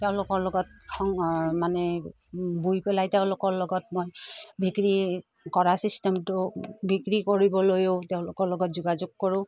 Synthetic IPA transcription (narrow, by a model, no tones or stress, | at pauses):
tɛʊ̃lʊkɔɹlɔɡɔt̚ɔŋmanɛ | bujpɛlajteʊ̃lʊkɔɹlɔɡɔtmojbʱikɹi | kɔɹasistɛmtʊbikɹikoɹibɔlojoteʊ̃lʊkɔɹlɔɡɔt̚zuɡazʊɡ̚kɔɹʊ̃